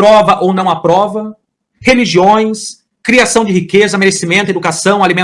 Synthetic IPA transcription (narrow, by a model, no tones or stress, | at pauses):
ɾɔvɐʔownɐ̃w̃apɾɔvɐ | heliʒiõj̃s | kɾiasɐ̃w̃d͡ʒɪhikezɐmeɾesimẽnt̪ʊed̪ukasɐ̃w̃alimẽ